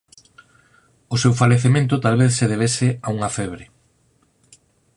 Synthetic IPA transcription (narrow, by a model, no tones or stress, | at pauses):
ʊsewfaleθemẽnt̪̬ʊt̪alβ̞eθseðeβ̞esɪauŋafɛβɾe